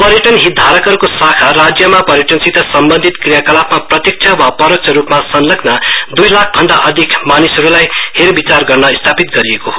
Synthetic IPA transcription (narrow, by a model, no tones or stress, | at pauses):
pʌɾjʌʈʌnɦid̪ʱaɾʌkɦʌɾukosakʰarad͡zjʌmapʌɾjʌʈʌnsit̪ʰʌsʌmbʌnd̪ʱit̪krijakʌlapmaprʌt̪jik̚t͡sʰawapʌɾok̚t͡ʃʰʌɾupmasʌnlʌɡnad̪ujlak̚ʰbʱʌɳɖaʔʌd̪ʱikmanisɦʌɾulajheɾbit͡sarɡʌrnʌist̪ʰapit̪ɡʌɾiekoɦo